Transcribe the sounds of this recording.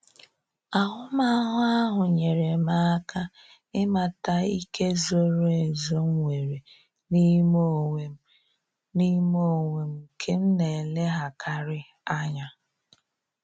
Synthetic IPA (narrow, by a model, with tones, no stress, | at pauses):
a˨ɦʊ˦ma˦ɦʊ˦a˦ɦʊ˨ɲe˨ɾe˨ma˦kʰa˦ | ɪ˦ma˨ta˨i˦kʰe˦zo˦ɾe˨zo˦ŋ̩˦ŋʷe˨ɾe˨ | ni˦mo˦e˨ | ni˦mo˦˨ŋʷe˨m̩˦kʰe˦m̩˦ne˨le˦ɦa˨kʰa˦ɾɪ˦ | a˦ɲa˨